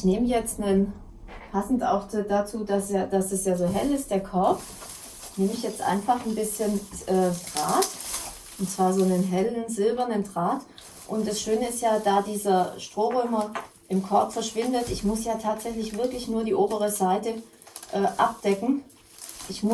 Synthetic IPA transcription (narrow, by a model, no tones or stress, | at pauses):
ʔɪçneːməjɛt͡stnən | pʰasn̩tʔa̰ʊxdd̥at͡suːdasaːd̥asdasjaːzoːɦɛlɪst̚d̥eːɐkʰɔɐp | neːməɪçjɛt͡stʔa̰ɪnfaχn̩bɪsçənʔɛːdʁaːt | ʔʊntt͡sv̥aːɐzoːnənɦɛlənzɪlbɐnəndʁaːt | ʔʊntd̥asʃøːnəɪstjaːdaːdiːzɐʃtʁ̥oːʁɔʏmɐ | ʔɪmkʰɔɐpfɛɐʃv̥ɪndətɪçmʊsjaːtʰaːtz̥ɛçlɪçv̥ɪɐklɪçnuːɐdiːʔoːbəʁ̞əzaɪtə | ʔɛːʔa̰p̚d̥ɛkŋ̩ | ʔɪçmʊ